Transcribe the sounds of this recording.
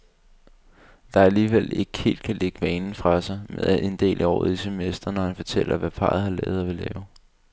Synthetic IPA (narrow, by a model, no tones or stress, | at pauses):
d̥ɑ̈æliːʋel̰e̝ɡ̥əhe̝̰ːld̥̚kʰæleɡ̥əʋɛːnn̩fʁɑ̈sɑ̈ɪmeðˠæʔe̝nd̥e̝̰ːlʔiɒ̰ːð̩ˠisemesd̥ɐnɒhænfɒ̽t͡sʰel̰ɐʋæpʰɑ̈ːð̩ˠhɑ̈lɛ̰ːʊð̩ˠɒʋe̝lɛːʊ